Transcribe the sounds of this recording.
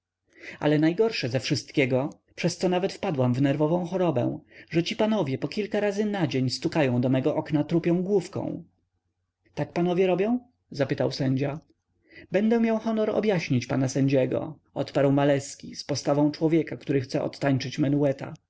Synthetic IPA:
a̰lɛnajɡɔɾʂɛzafʂɘst̪kʲɛɡɔ | pʂɛst̪sɔnavɛt̪fpad̪wamvnɛɾvɔvɔ̃w̃xɔɾɔbɛ̰w̃ʐɛt͡ɕipanɔvʲjɛpɔkʲilkaɾazɘnad͡ʑeɲst̪ukajɔ̃w̃d̪ɔmɛɡɔʔɔknat̪ɾupʲjɔ̃w̃ɡwufkɔ̰̃w̃ | t̪akpanɔvʲjɛɾɔbʲjɔ̃w̃ | zapɘt̪awsɛɲd͡ʑa | bɛnd̪ɛmʲjawxɔnɔɾɔ̰bʲjaɕɲit͡ɕpanasɛɲd͡ʑɛɡɔ̰ | ɔt̪paɾwmalɛskʲispɔst̪avɔ̃w̃t͡ʂwɔvʲjɛkakt̪uɾɘxt̪sɛʔɔ̰t̪ːaɲt͡ʂɘt͡ɕmɛnuwɛt̪a̰

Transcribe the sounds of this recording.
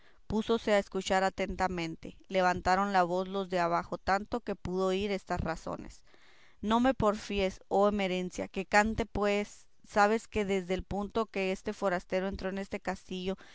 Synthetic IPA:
puso̞se̞aeskut͡ʃaɾat̪e̞nt̪amẽnt̪e̞le̞β̞ant̪aɾo̞nlaβ̞o̞zlo̞zðeaβaxo̞t̪ant̪o̞ke̞puðo̞iɾe̞st̪asraso̰ne̞̰s | no̞me̞po̞ɾfie̞so̞eme̞ɾe̞nsja̰ke̞kant̪e̞pwe̞sː | aβe̞ske̞ðe̞zðeːlpunt̪o̞ke̞est̪efo̞ɾast̪e̞ɾoe̞nt̪ɾo̞ene̞st̪e̞kast̪iʝo̞

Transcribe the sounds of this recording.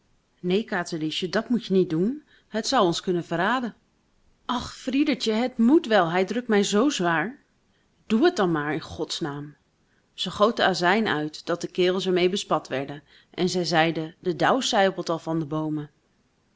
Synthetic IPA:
nejkaːtəliʃədɑtmutjənit̚dun | ɦətsʌwɔnskɵnənvəraːdən | ʔɑχfridəɹt͡ʃəɦətmutʋɛlˠɦɛjdrɵk̚tmɛjzowzʋaːɹ | d̥uɦət̚dɑnmaːɹɪnχɔtsnaːm | z̥əχowt̚dəaːzɛjnœ̰ɥtd̥ɑt̚dəkɪːʁəlˠsɛɹmejbəspɑtʋɛɹdən | ʔɛnzɛjzɛjdədədɑwsɛjpəl̩ˠtɑlˠvɑndəbowmə

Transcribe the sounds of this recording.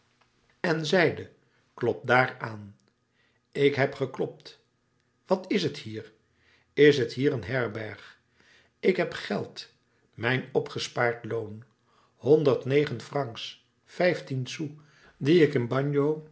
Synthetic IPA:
ɛnzɛjdə | klɔp̚daːɹaːn | ɪkɦɛpχəklɔp̚t | ʋɑtɪsəthiːɹ | ɪsɦətɦiːɾənɦɛɹbɛɹχ | ɪkɦɛpχɛlˠt | mɛjnɔpχəspaːɹtlown | hɔndəɹtnejχənfrɑŋks | fɛjftinsu | diɪkɪnbɑɲjow

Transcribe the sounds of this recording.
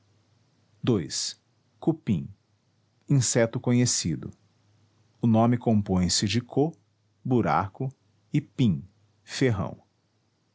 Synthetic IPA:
d̪ojs | kupĩ | ĩsɛt̪ʊkõɲesid̪ʊ̰ | ʊnõmɪkõmpõj̃sɪd͡ʒɪkʰo | buɾa̰kʊ | ɪpĩ | feɦɐ̰̃w̃

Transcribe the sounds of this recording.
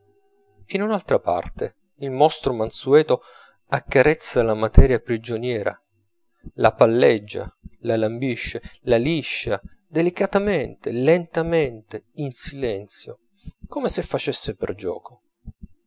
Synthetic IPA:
inunalt̪ɾapa̰rt̪e | ilmɔst̪ɾomansuɛːt̪o | akːaɾɛt̪sːalamat̪ɛːɾjapɾid͡ʒonjɛːɾa̰ | la̰palːɛd͡ʒːa̰lalambiʃːelaliʃːad̪elikat̪ament̪elent̪ament̪einsilɛnt̪sjo | komesefːat͡ʃesːepḛrd͡ʒɔ̰ːko

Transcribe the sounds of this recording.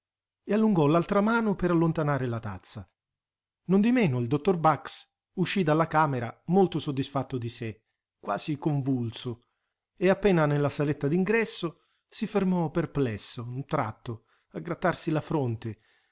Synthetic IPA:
ealːuŋɡɔlalt̪ɾamaːnopeɾalːont̪anaːɾelat̪a̰t̪sːa | nond̪imɛːnʊild̪ot̪ːorbaks | uʃːid̪alːakaːmeɾamolt̪osod̪ːisfat̪ːod̪ise | kwa̰ːzikoɱvulso | eapːɛːnanelːasalet̪ːad̪iŋɡɾɛsːo | sifermɔperplɛsːount̪ɾa̰t̪ːo | aɡɾat̪ːarsilafɾont̪e

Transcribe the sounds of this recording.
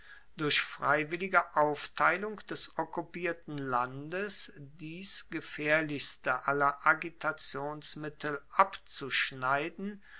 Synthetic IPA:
d̥ʊɐçfʁ̥aɪvɪlɪɡəʔaʊftʰaɪlʊŋkd̥ɛsʔɔkupiːɐtn̩landəsd̥iːsɡ̥əfɛːɐlɪçstəʔalɐʔaɡitʰat͡sjoːnsmɪtʰl̩ʔapt͡suʃnaɪdn̩

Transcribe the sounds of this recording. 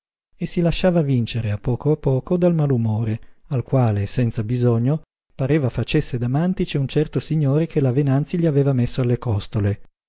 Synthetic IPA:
esːilaʃːaːvavint͡ʃeɾeapːɔːkoapːɔːkod̪almalumoːɾealkwaːlesɛnt̪sabizoɲːo | paɾeːvafat͡ʃesːed̪amant̪it͡ʃeunt͡ʃɛrt̪osiɲːoːɾekʰelavenant̪siʎiaveːvamesːoalːekɔst̪ole

